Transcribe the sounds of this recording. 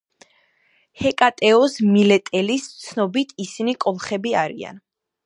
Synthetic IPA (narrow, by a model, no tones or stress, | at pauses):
hɛkʼat̪ʼɛɔsmilɛt̪ʼɛlist̪sʰnɔbit̪ʰisinikʼɔlˠχɛbiaɾḭa̰n